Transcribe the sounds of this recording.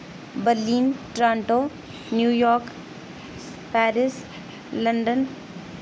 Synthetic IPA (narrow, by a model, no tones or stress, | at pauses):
bəɾlinʈɾãɳʈo | njujɔɾk | paɾis | ləɳɖən